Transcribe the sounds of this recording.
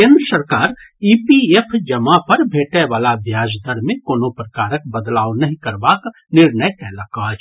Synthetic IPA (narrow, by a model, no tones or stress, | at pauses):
kẽːnd̪ɾəsɐɾkaːɾ | iːpiepʰd͡ʒɐmapɐɾbʱeːʈẽʋaːlabʱjaːd͡ʒd̪əɾmẽkoːnõpɾɐkaːɾək̚bəd̪laːonɐɦĩkɐɾbaːk | nɪɾnəjkɛːlakaːd͡ʒ